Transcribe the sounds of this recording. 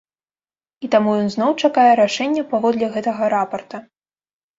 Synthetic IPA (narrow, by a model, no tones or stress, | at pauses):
it̪amujɔnznɔwt͡ʂakajɛɾaʂɛnʲːɐpavɔd̪lʲɛɣɛt̪ɐɣɐɾapɐrt̪ɐ